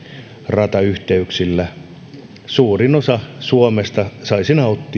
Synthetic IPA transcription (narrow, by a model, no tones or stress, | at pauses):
rɑt̪ɑyht̪eyksilːæ | suːrinosɑsuomest̪ɑsɑisinæot̪ːi